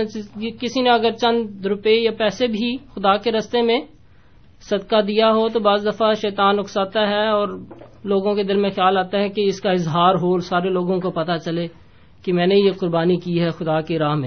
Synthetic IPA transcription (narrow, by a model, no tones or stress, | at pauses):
kɪsinẽɐɡəɾt͡ʃɐ̃nd̪ɾʊpejapɛːsebʱixʊd̪aːkeɾɐst̪emẽ | sɐd̪̚kad̪ijaɦot̪obaːzd̪ɐfaʃɛːt̪aːnʊksaːt̪aɦɛɔːɾloːɡõked̪ɪlmẽxjaːlaːt̪aɦɛkeɪskaɪzɦaːɾɦoːlsaːɾeloːɡõkopɐt̪at͡ʃɐle | kemɛ̃ːnejeqʊɾbaːnikiɦɛxʊd̪akeɾaːɦmẽ